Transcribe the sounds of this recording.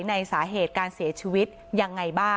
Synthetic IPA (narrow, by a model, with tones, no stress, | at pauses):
jna˧jsaː˩˦ɦeː˨˩t̪̚kaː˧nsi˩˦ɐt͡ɕʰi˧wi˦˥t̪̚ja˧ŋːa˧jbaː˥˩